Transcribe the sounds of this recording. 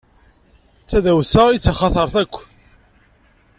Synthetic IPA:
t͡sːæðæwsæit͡sːaχɑθəɾˤθækʷː

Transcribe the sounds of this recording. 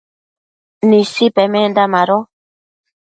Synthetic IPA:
nĩsipɛmɛ̃nd̪amaɾɔ

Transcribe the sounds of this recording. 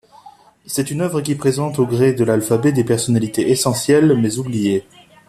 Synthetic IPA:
sɛt̪ynœvʁəkʲipχezɑ̃t̪oɡʁed̪əlalfabɛd̪epɛʁsɔnalit̪eʔesɑ̃sjɛlmɛzublije

